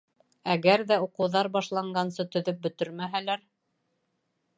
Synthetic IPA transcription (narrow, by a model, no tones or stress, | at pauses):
æɣæɾðæuqɤ̆wðɑɾbɑʃlˠɑɴɢɑnsɤt̪ɵ̆ðɵp̚bɵ̆t̪ɵɾmæɦælæɾ